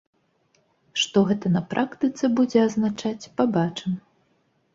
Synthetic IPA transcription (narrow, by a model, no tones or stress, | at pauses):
ʂt̪ɔɣɛt̪ɐnɐpɾʔakt̪ɨt̪sɨbud͡zʲɛɐznat͡ʂat͡sʲpabat͡ʂɨm